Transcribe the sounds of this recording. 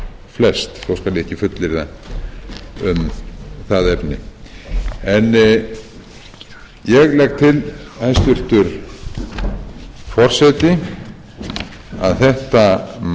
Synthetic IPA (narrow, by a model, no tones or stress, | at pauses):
flɛst̪θowskalɪɛhcːɪfʏt̪lɪɾða | ʏmθaðɛpnɪ | ɛn | jɛɣlɛk̚t̪ʰɪlajst̪ʏr̥t̪ʏɾ̥ | fɔr̥sɛt̪ɪ | a̰ðθɛht̪am